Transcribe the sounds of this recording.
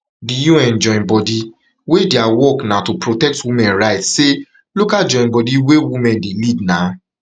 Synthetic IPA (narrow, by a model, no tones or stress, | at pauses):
dujuɛ̃nd͡ʒɔ̃ɪ̃nbɔdi | wedeawɔknãtopɹotɛk̚twimɛ̃nɾaɪtse | lukad͡ʒɔ̃nbɔdiwewimɛ̃ndelidnã